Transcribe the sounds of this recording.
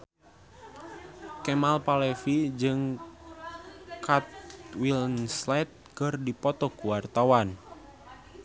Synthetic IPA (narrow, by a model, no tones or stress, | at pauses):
kɛmalpalɛfid͡ʒɨŋ | kat̪̚wilnslɛt̪̚kɨrdipɔt̪ɔkuwart̪awan